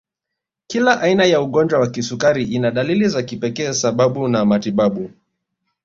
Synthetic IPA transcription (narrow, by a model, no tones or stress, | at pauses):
kilaʔainajauɠɔnd͡ʒwawakisukaɾiʔinaɗalilizakipɛkɛːsaɓaɓunamatiɓaɓu